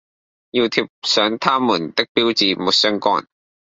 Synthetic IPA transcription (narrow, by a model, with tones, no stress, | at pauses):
ji˧wt̪ʰi˧p̚sœː˨˥ŋt̪ʰaː˥muː˨˩nt̪ɪ˥k̚piː˥wt͡siː˨muː˨˧t̚sœ˥ŋkɔː˥n